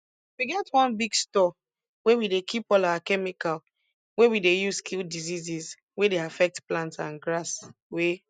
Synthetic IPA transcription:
wiɡɛtwɔ̃nbiɡstɔ | wewidekʰipɔlawakɛmikal | wewidejuzskʰildiziziz | wedeafɛk̚tplãntsãnɡɹas | we

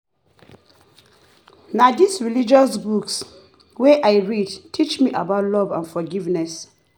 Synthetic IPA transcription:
nadisɹilid͡ʒɔsbuks | weʔaɪɹidtʰit͡ʃmiʔabaʊtlɔvãnfɔɡivnɛs

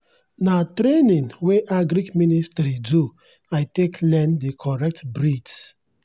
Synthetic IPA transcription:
natɾenĩnweʔaɡɾikministɾidu | ajteklɛ̃ndekʰɔɹɛk̚tbɾid͡ʒs

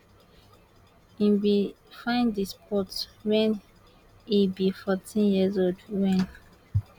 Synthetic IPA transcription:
ĩnwi | fãɪ̃ndispʰɔtwɛ̃n | ibifɔtʰĩnjizodwɛ̃n

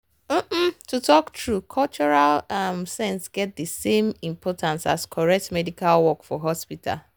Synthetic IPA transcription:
m̩tutʰɔktɹukʰɔlt͡ʃɔɹalamsɛ̃nsɡɛt̚dəsẽmĩmpʰɔtʰãnsa̰skʰɔɹɛk̚tmɛdikalwɔkfɔɦɔspita̰l

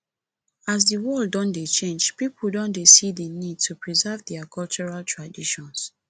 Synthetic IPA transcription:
as̬dəwɔlddɔ̃ndet͡ʃẽnd͡ʒpipʰl̩dɔ̃ndesidənid̚tʰupɹizɛvdɛakʰɔlt͡ʃuɹaltʰɹadiʃɔ̃ns

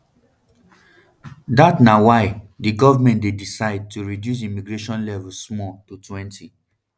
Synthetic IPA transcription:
datnawaɪdiɡɔvamɛ̃ntdedisaɪd̚tʰuɹidjus̬imiɡɹeʃɔ̃nlɛvɛsmɔtutʰwɛ̃ntʰi

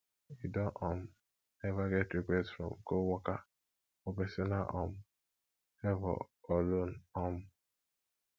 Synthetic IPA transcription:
idɔʔɔm̩ | nɛvaɡɛtɾikʷɛsfɾɔ̰mɡowɔka | obesɪnaʔɔ̰m̩ | ɛvɔ̰ɔlon̩ɔm̩

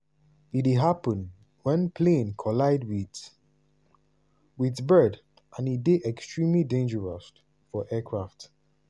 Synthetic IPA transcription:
itiɦapə̃n | wɛ̃npʰlẽnkʰɔlaɪdwi | witbɜd | ʔãnideʔɛkstɹĩmlidẽnd͡ʒəɹɔs | fɔʔɛkʰɹaft

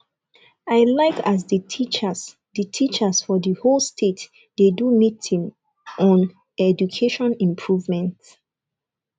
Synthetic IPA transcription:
aɪlaɪkʰazðətʰit͡ʃəs | dətʰit͡ʃəsfɔðəholstʰet | d̥edumitĩŋ | ɔ̃n | ɛd͡ʒukʰeʃɔ̃nĩmpʰɹuvmɛ̃nt

